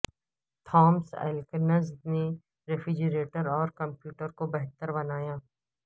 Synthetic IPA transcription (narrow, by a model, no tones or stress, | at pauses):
t̪ʰɔːmsɛ̰ːlkənəzne | ɾefʰɾɪd͡ʒəɾeːʈəɾɔːɾkɐ̃mpjuːʈəɾkobɛɦt̪əɾbɐnaːjaː